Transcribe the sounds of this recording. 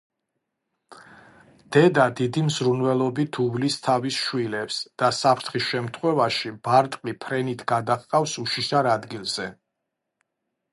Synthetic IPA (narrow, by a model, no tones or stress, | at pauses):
d̪̥ɛd̪ad̪id̪imzɾunvɛlˠɔbit̪ʰublist̪ʰavisʃwilɛpsd̪̥asapʰɾt̪ʰχisʃɛmt̪ʰχwɛvaʃibaɾt̪ʼqʼipʰɾɛnit̪ʰɡad̪aχqʼafsuʃiʃaɾad̪ɡilˠz̥ɛ